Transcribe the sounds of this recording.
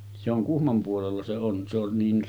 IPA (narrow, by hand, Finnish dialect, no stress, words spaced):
se oŋ kuhmom puolelːɑ se on se on niːn